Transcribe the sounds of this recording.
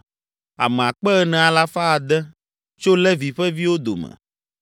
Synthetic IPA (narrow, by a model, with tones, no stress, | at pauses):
a̰˨mɛ̃˨a˨k͡pɛ˦ɛ˦nɛ̃˨a˨la˦fa˦a˨d̪ɛ˦ | t͡ʃo˦lɛ˦vi˨ɸɛ˦vi˦wo˦d̪o̰˨mɛ̰̃˨